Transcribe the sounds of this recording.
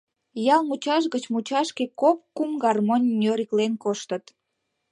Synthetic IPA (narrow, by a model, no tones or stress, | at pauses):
jɑlˠmut͡ɕɑʃɣət͡ɕmut͡ɕɑʃkekop̚kumɡɑrmonʲːøɾiklenkoʃt̪ət̪